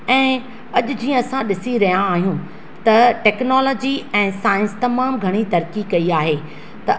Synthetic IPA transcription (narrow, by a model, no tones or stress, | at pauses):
ɛ̃ː | ɐʄʊ̆d͡ʑĩːə̃ɐsãɗɪsiɾɐɦijãaːɦijũ | t̪ɐʈɛːknɔːlɔːd͡ʑiɛ̃ːsaːɪ̃nst̪ɐmaːmɡʱɐɽ̃it̪ɐɾkikɐiaːɦeː | t̪ɐ